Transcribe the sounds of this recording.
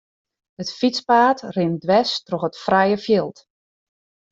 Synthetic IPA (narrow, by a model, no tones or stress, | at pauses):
ətfit͡spaːtrɪmdʋɛstrɔxətfrɛjəfjɪlˠt